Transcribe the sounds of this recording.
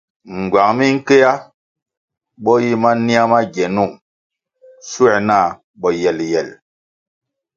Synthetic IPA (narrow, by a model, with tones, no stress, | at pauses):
ŋ̩˨ɡwa˨ŋmi˦ŋ̩˦ke˦ja˦ | ɓɔ˦ji˦ma˦ni˦a˦ma˦ɡɛ˨nu˦˨ŋ | su˦ɛ˨na˦˨ | ɓɔ˨jɛ˨ljɛ˨l